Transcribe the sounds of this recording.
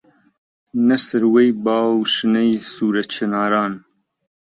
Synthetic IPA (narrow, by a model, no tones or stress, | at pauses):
nɐsɨɾwejbɑːwʃɨnɛjsuːɾɛt͡ʃʰɛnɑːɾɑːn